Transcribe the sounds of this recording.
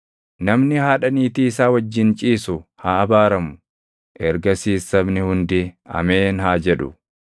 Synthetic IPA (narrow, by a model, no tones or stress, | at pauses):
nɐmnɪhaːᶑɐniːt̪iːɪsaːwɐd͡ʒːɪnt͡ʃʼiːsʊhaːɐbaːɾɐmʊ | ʔɛɾɡɐsiːsːɐbnɪhʊnd̪ɪɐ̰meːnɦaːd͡ʒɛᶑʊ̰